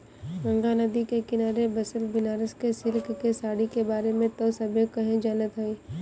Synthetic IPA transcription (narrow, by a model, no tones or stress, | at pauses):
ɡɐ̃ŋɡanɐd̪ikekɪnaːɾebɐsəlbɪnaːɾəskesɪlkkesaːɽikebaːɾemẽt̪ɐːsɐbjokɐɦẽd͡ʒanət̪ɦoiː